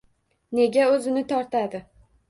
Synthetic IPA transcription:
ne̞ɡʲaɵzɪnɪt̪ʰɒɾt̪ad̪ɪ

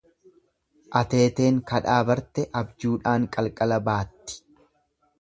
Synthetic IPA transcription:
ʔɐt̪e̞ːt̪e̞ːŋkɐᶑaːbɐɾt̪ɛʔɐbd͡ʒuːᶑaːŋkʼɐlkʼɐlɐbaːt̪ːɪ̥

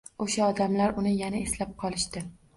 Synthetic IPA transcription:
oʃaɒd̪amlaɾʊnɪjanaeslap̚qʰɒlˠɪʃt̪ɪ

